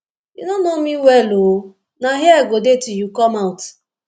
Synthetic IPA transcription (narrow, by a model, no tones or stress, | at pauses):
junonomiwɛlo | naɦiɛɡodetujukɔmaʊt